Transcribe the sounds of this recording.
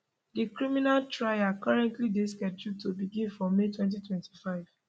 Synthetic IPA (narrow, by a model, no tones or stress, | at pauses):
dikɹiminaltɹaɪakɔɹɛ̃ntlideskɛd͡ʒutobiɡĩnfɔ̃metwɛ̃nt̬itwɛ̃ntʰi̥faɪv̥